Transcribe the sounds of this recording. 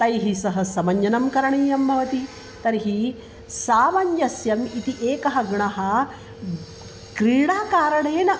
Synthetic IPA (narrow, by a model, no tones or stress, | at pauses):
t̪ɐjɦisɐɦɐsɐmɐɲjɐnɐmkɐɾɐɳiːjɐmbʱɐʋɐt̪i | t̪ɐɾiɦi | saːmɐɲjɐsjɐmit̪iʔeːkɐɦɐɡɳɐɦɐ | kɾiːɽaːkaːɾɐɳeːnɐ